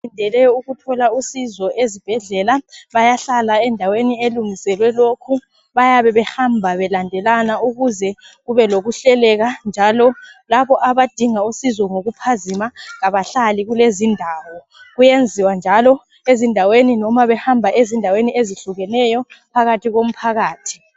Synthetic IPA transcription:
indʱɛlɛjɔuɣutʰɔlausizɔʔezib̥ʱɛɮɛlaβajaɬalaɛndʱawenieluŋisɛlwɛlokʰu | βajaβɛβɛhambʱaβɛlandʱɛlanauɣuzɛ | ɣuβɛloɣuɬɛlɛɣand͡ʒʱalɔlaβɔʔaβad̥ʱiŋausizɔŋoɣupʰazimaɣaβaɬaliɣulezindʱawɔ | ɣujend͡zʱiwand͡ʒʱalɔ | ezindʱaweninɔmaβɛhambʱaʔezindʱawenieziɬuɣɛnɛjɔpʰaɣatʰiɣom̩pʰaɣaːtʰi̥

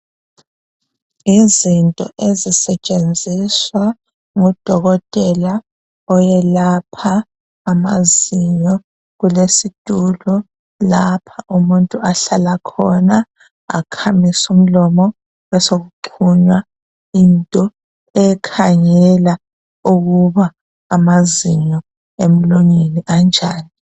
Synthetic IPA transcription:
izintʼɔ̰ʔezisɛt͡ʃʼend͡zʱiswa | ŋɔd̥ʱɔɣɔtʼɛla | ɔjɛlapʰaː | maziɲɔ | ɣulesid̥ʱulɔ | lapʰaʔumuntʼuaɬalakʰɔna | a̰kʰamisum̩lɔmɔ | wɛsoɣuǃʰuɲwa | intʼɔ | ɛkʰaŋɛla | uɣuβaː | maziɲɔ | em̩luɲiniʔand͡ʒʱaːni

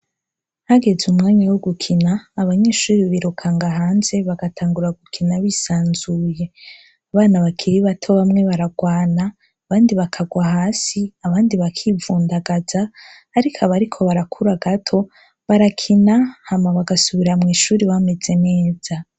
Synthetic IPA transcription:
haɡe̞zumŋaːɲawoɡukʰinaːβaɲe̞ːʃuːɾiβiɾukʰaŋɡaɦaːnze̞βaɡatʰaːŋɡuɾaɡukʰinaβisaːnzuːje̞ | aβaːnaβakʰiɾiβatʰo̞βamŋe̞βaɾaɡwaːnaː | βaːndiβakʰaɡwaɦaːsiaβaːndiβakʰivuːndaɡazaː | ɾikʰaβaɾikʰo̞βaɾakʰuɾaɡatʰo̞ | βaɾakʰinahamaβaɡasuβiɾamŋiːʃuːɾiβame̞ze̞ne̞ːz̥a

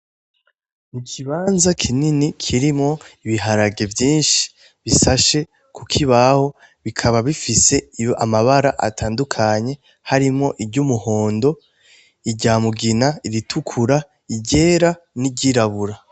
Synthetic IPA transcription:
mukʰiβaːnzakʰininikʰiɾimŋo̞iβiɦaɾaɡe̞vjiːnʃi̥ | βisaʃe̞ | kukʰiβaho̞ | βikʰaβaβifise̞a̰maβaɾaʔa̰tʰaːndukʰaɲe̞ | haɾimo̞ʔibɟumuho̞ːndo̞ | iɟaːmuɡinaiɾitʰukʰuɾa | iɟe̞ːɾa | niɟiɾaβuɾa

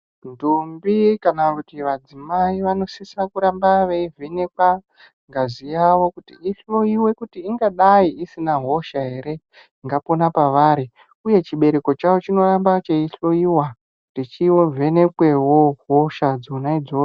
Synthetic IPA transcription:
ndumbikanakutiʋad͡zimaiʋano̞sisirakuɾambaʋeive̞ne̞kwa | ŋɡazijawo̞kutḭiɬo̞iwe̞kutiːŋɡaɗaiʔisinaɦo̞ʃaɦe̞ɾe̞ | iŋɡapo̞napaʋaɾi | uje̞t͡ʃiɓe̞ɾe̞ko̞t͡ʃawo̞t͡ʃino̞ɾambat͡ʃeiɬo̞iwa | nit͡ʃiwove̞ne̞kwe̞woɦoʃad͡zonaid͡zo

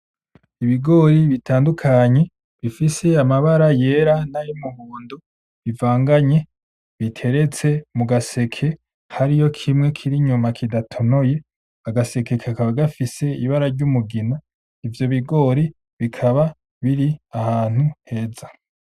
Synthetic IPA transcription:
iβiɡo̞ɾiβitʰaːndukʰaɲe̞ | βifise̞amaβaɾaje̞ːɾanajomuhuːndo | βivaːŋɡaɲe̞ | βitʰe̞ɾe̞t͡se̞muɡase̞kʰe̞ | haɾijo̞kʰimŋe̞kʰiɾiɲumakʰidatʰo̞no̞je̞ | aɡase̞ke̞kʰakaβaɡafise̞iβaɾaɾɟumuɡina | ivjo̞βiɡo̞ɾi | βikʰaβa | βiɾiahaːn̥huhe̞ːza

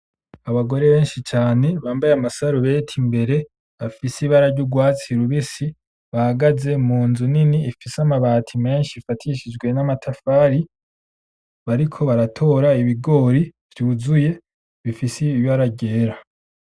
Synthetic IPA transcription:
aβaɡo̞ɾe̞βe̞ːnʃit͡ʃaːne̞βaːmbajamasaɾuβe̞ːtʰimbe̞ɾe̞ | βafisiβaɾaɾɟuɡwaːt͡siɾuβisi | βahaɡaze̞muːnzuniniːfisamaβaːtʰime̞ːnʃifatʰiʃid͡ʒɡwe̞namatʰafaːɾi | βaɾikʰo̞βaɾatʰo̞ɾaiβiɡo̞ɾiv̥juːzuje̞ | βifisijaɾaɟeːɾa

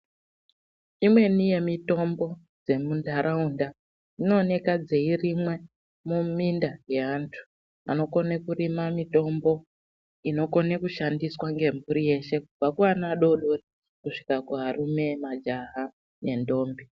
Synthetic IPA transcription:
imwe̞nije̞mito̞mbo̞ | d͡ze̞mundaɾʔaunda | ino̞ːne̞kad͡ze̞irimwe̞ | mumindaje̞aːntʰu̥ | a̰no̞ko̞nekuɾimamito̞mbo̞ | ino̞ko̞nekuʃandiswaŋɡe̞mbuɾije̞ʃe̞kub͡vvakuwanaɗo̞ɗori | kuʂi̥kakuɦarume̞mad͡ʒaɦa | ne̞ndo̞ːmbi

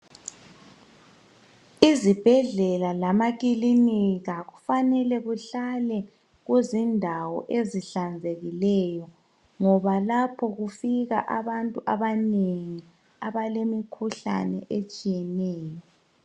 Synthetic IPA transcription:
izib̥ʱɛɮɛlalamak̬ʼiliniɣaɣufanɛlɛɣuɬalɛ | ɣuzindʱawɔ̰ʔeziɬand͡zʱeɣilɛjɔ | ŋɔβalapʰɔɣufiɣa̰ʔaβantʼuʔaβaneŋi | aβalemikʰuɬa̰nɛ̰ʔet͡ʃʼijɛnɛːjɔ

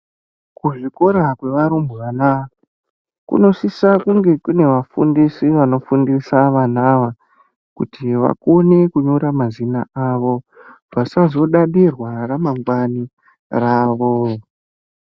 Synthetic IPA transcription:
kuʐiko̞ɾakwe̞ʋaɾumbuʋanaa | kṵno̞sisakuŋɡe̞kune̞ʋafundisiʋano̞fundisaʋanaʋa | kṵtʰiʋa̰ko̞ne̞kuɲoɾamazinaaʋo̞ | vasazo̞ɗaɗirwaramaŋɡwani | raːʋo

